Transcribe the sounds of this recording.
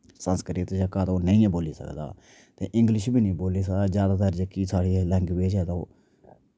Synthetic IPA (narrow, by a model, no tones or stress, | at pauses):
sənskɾiːt̪ːd͡ʒəkaːt̪oːnəĩːboːlḭːsə̰kd̪a̰ː | t̪ḛːʔɪ̃ŋɡlɪʃbiːnĩːboːliːs̬əkd̪aːd͡ʒjaːd̪aːt̪əɾd͡ʒəkiːsaːɽiːlɛ̃ːŋɡbeːd͡ʒɛːt̪oː